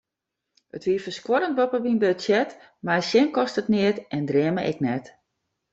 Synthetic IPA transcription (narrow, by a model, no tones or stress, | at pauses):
ətʋiəfəskwɔɾənt̚bɔpəʋinbøtsjɛt | majsjɪnkɔstətnɪətʔɛndrɪəməʔɛ̰knɛt